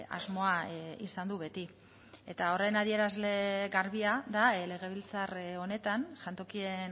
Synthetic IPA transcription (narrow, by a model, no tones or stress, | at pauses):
a̰zmo̞aisand̪uβe̞t̪i | e̞t̪ao̞re̞naðie̞ɾazle̞ɣaɾβiaðale̞ɣ̞e̞βilt͡saro̞ne̞t̪anʝant̪o̞kie̞n